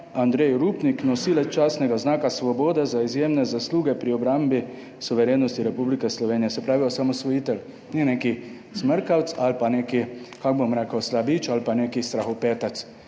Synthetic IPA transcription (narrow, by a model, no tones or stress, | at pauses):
and̪ɾejɾupniknɔsilɛt͡ʃaːsnɛɡaznaːkasʋɔboːd̪ɛzaizjeːmnɛzasluːɡɛpɾiɔbɾambi | suʋɛɾeːnɔst̪iɾɛpublikɛslɔʋeːnijɛsɛpɾaːʋiɔsamɔsʋɔjiːt̪ɛl | nɛneːki | zməɾkawt̪salpaneːkikaɡ̚bomɾɛkəwslabit͡ʃalpaneːkist̪ɾaxɔpeːt̪at̪s